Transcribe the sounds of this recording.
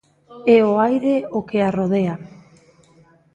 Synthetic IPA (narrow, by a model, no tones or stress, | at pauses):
eoajɾeokearoð̞ea